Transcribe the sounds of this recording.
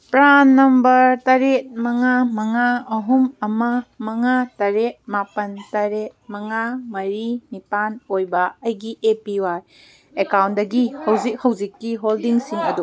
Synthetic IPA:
pɾanːɐmbɐɾtɐɾet̚mɐŋamɐŋaɐɦumɐmɐmɐŋatɐɾet̚mapɐntɐɾet̚mɐŋamɐɾinipanojbɐɐjɡiʔepiwaj | ekawnt̚dɐɡihɐwzik̚hɐwzikːiɦoldiŋsiŋɐdu

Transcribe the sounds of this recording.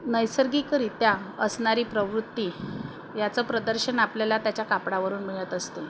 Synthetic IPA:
nəjsəɾɡiːkəɾit̪jaəsɳaɾiːpɾəʋɾut̪ːi | jat͡səpɾəd̪əɾɕənapljalat̪jat͡ɕjakapɽaʋəɾuːnmiɭət̪əst̪e

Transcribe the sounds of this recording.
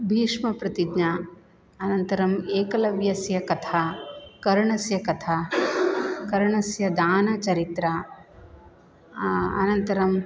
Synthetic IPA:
bʱiːʂmɐpɾɐt̪id̪nɐ | ɐnɐnt̪ɐɾɐmeːkɐlɐʋjɐsjɐkɐt̪ʰaːkɐɾɳɐsjɐkɐt̪ʰaː | kɐɾɳɐsjɐd̪aːnɐt͡ʃɐɾit̪ɾa | ɐ̰nɐnt̪ɐɾɐm

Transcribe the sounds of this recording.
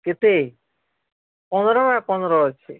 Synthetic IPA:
ket̪e | pɔnɔɾɔmapɔnɔɾɔt͡ɕʰe

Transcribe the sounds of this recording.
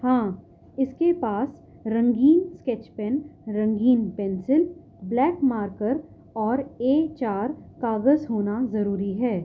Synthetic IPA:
hãː | ɪskepaːs | ɾɐ̃ŋɡiːnskɛːt͡ʃpɛ̃nɾɐ̃ŋɡiːnpɛnsɪl | blɛːkmaːɾkəɾ | ɔːɾeːt͡ʃaːɾkaːɡəzɦoːnazɐɾuːɾiɦɛː

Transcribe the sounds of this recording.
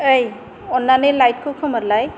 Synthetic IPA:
ɯj | ɔnːanɯlajt̚kʰɯkʰɔməɾlaj

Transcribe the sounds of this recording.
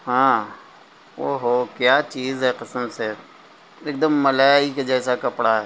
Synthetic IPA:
ɦãː | oːɦoːkjaːt͡ʃiːzɦɛqɪsəmse | eːk̚d̪əmːəlaiked͡ʒɛːsakəpɽaɦɛː

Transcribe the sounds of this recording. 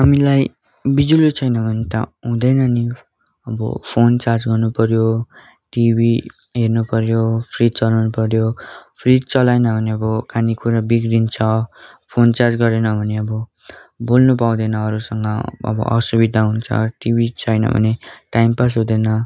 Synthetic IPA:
ɦamilaj | bid͡zulit͡sʰʌjnʌbʱʌnet̪ʌ̰ɦũd̪ʌjnʌni | ʌbʌ̰pʰont͡sard͡zɡʌrnupʌɾjo | ʈibʱi | ɦernupʌɾjopʰrit̪̚t͡sʌlawnupʌɾjopʰrit̪̚t͡sʌlajnʌbʱʌneʌbʌkanikʰuɾabiɡɾint͡sʰʌ | pʰont͡sard͡zɡʌɾenʌbʱʌneʌbʌ | bolnupaw̃d̪ʌjnʌʌɾusʌŋɡʌʌ̰bʌ̰ʔʌ̰subid̪ʱaɦunt͡sʰʌ̰ʈibʱit͡sʰʌjnʌ̰bʱʌ̰neʈajmpas̬ɦũd̪ʌjnʌ

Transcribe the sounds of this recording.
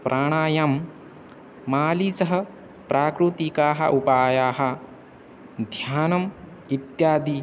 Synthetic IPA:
pɾʔaːɳ̃aːjɐm | aːlisɐɦɐ̆ | pɾʔaːkɾut̪ikaːɦɐ̰ʔupaːjaːɦɐ̆ | d̪ʱjaːnɐm | it̪jaːd̪i

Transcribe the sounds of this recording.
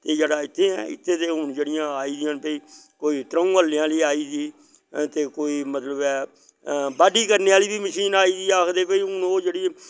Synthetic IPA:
t̪eːd͡ʒeːɽaːɪt̪ʰːeːɛ̰ːɪ̰t̪ʰːeːt̪eːɦʊnd͡ʒeːɽɪjãːaːiːd̪ɪjãːnpəiː | koːiːt̪ɾəũːəlɪjãːliːaːiːziː | t̪eːkoːiːmət̪ləbɛː | baːɖiːkəɾneːaːliːbiːməʃiːnaːiːziːaːkʰd̪eːpəiːʊnoːd͡ʒeːɽiː

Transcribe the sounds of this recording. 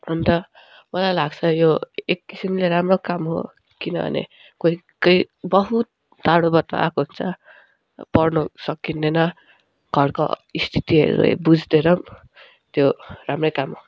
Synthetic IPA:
ʌnt̪ʌ | mʌlajlaɡt͡sʰʌjoekːisimleɾamrokamɦo̰ | kinʌ̰bʱʌ̰nḛ | koi | kʌi | bʌɦut̪̚ | d̪ʱaɽ̃obʌt̪ːa̰ʔa̰koɦunt͡sʰʌ | pʌrnʌsʌkːinːenʌ | ɡ̥ʱʌrko̰ist̪ʰi̥t̪iɦḛɾṵḛbud͡zd̪eɾʌ | t̪joramrʌjkamɦo

